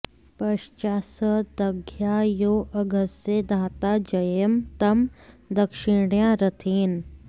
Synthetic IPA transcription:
pɐʃt͡ʃaːsəd̪ɐɡʱjaːjoːʔɐɡəsed̪ʱaːt̪aːd͡ʒɐjəmt̪ɐmd̪ɐkʃɪɽjãɾɐt̪ʰiːn

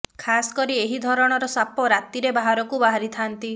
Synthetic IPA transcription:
kʰasɔ̥kɔɾieɦid̪ʱɔɾɔɽ̃ɔɾɔsapɔɾat̪iɾebaɦaɾɔkubaɦaɾit̪ʰant̪i

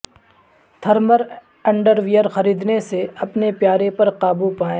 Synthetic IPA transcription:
t̪ʰɐɾməɾ | ɐ̃ɳɖəɾʋijəɾxɐɾiːd̪neseɐpnepjaːɾepɐɾqaːbupaːẽː

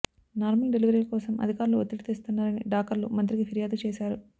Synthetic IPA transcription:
naːɾmɐlɖe̞liʋɐɾiːlɐkɔːsɐmɐ̰d̪ʱikaːɾuluot̪ːɾiʈit̪eːst̪unːaːɾɐnḭɖaːkɐɾlṵmɐnt̪ɾiɡipʰiɾjaːd̪ut͡ʃeːsaːɾu

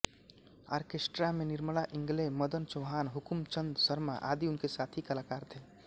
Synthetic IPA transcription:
a̰ɾkesʈɾameniɾmlaʔĩŋɡleməd̪ənt͡ʃoɦaːnɦukmt͡ʃənd̪səɾma̰ʔa̰d̪iunkesat̪ʰikəlakaːɾt̪ʰe

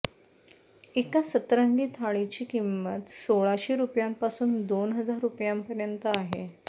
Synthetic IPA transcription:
ekasət̪ɾəŋɡiːt̪ʰaɭit͡ɕiːkimːət̪soɭaɕiːɾupjampasuːnd̪onɦəd͡zaɾːupjampəɾjənt̪əaɦe

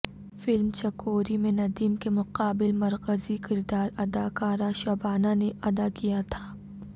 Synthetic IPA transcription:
fɪlmt͡ʃɐkoːɾimẽnɐd̪iːmkemʊqaːbɪlmɐɾkəzikɪɾd̪aːɾɐd̪akaːɾaʃɐbaːnaneʔɐd̪akijat̪ʰaː

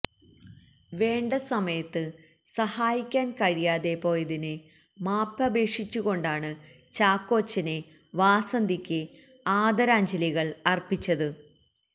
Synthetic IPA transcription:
ʋe̞ːɳɖɐsɐmɐjɐt̪ːɨ | sɐhaːjikʲːaːnkɐɻijaːðe̞po̞ːjɐðinɨ | maːpːɐbeːʂit͡ɕːuɣo̞ɳɖaːɳɨ | t͡ɕaːkːo̞ːt͡ɕːɐne | ʋaːsɐnd̪ikʲːɨ | aːd̪ɐɾaːɲd͡ʑɐliɣɐɭɐrpːit͡ɕːɐðɨ

